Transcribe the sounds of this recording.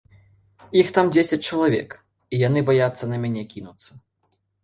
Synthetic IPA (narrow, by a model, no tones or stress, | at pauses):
ixt̪amd͡zʲesʲɐt͡sʲt͡ʂɐlˠavʲɛ̰k | ijanɨbajat̪sːɐnɐmʲanʲɛkʲinut̪sːɐ